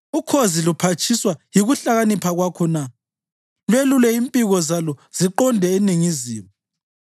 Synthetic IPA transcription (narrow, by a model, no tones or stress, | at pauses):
ukʰozilupʰat͡ʃʼʰiswajiɣuɬaɣanipʰaɣwakʰɔna | lwelulɛimpʼiɣɔzalɔz̥iǃɔndʱɛeniŋiziːmu